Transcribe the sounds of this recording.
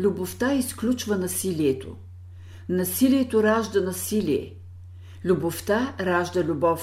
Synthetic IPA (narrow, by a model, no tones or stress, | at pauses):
lʲuboft̪aisklʲut͡ʃvɐnɐsiliɛt̪o̰ | nɐsiliɛt̪oɾaʒd̪ɐnɐsilʲiɛ̰ | lʲuboft̪aɾaʒd̪ɐlʲubɔf